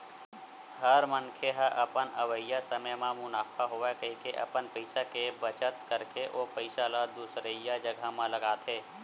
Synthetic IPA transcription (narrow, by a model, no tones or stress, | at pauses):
həɾməŋkʰeɦəʔəpənəʋəjasəməjmãmʊnaːfʰaɦoakəɦikeʔɐ̰pənpəɪsakebət͡ʃət̪kəɾkeʔoːpəɪsalad̪uːsɾəjad͡ʒəɡʱamãləɡaːt̪ʰeː